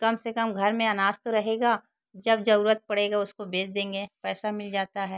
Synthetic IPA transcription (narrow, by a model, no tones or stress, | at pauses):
kɐmsekɐmɡʱɐɾmẽɐnaːst̪oɾɐɦeːɡaː | d͡ʒɐbd͡ʒɐɾuːɾət̪̚pɐɽeːɡaʊskobeːsd̪ẽːŋɡepɛːsamɪld͡ʒaːt̪aɦɛː